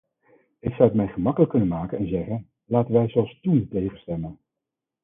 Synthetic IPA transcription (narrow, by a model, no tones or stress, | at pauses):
ɪksɑwətmɛjχəmɑkələkːɵnənmaːkənɛnzɛχən | laːtənʋɛjzɔlˠstuntejχəstɛmən